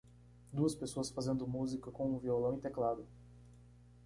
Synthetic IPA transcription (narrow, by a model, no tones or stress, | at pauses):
d̪uɐspesoɐsfazẽnd̪ʊmuzikɐkõũviolɐ̃w̃ĩt̪eklad̪ʊ